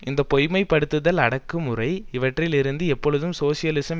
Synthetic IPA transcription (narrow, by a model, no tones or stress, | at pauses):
ɪnd̪ɐpɔjmɐɪpːɐɽɯt̪ːɯðɐlɐɽɐkːɯmɯrɐɪɪʋɐʈrɪlɪɾɯnd̪ɯɛpːɔɻɯðɯmsoːsɪjɐlɪsɐm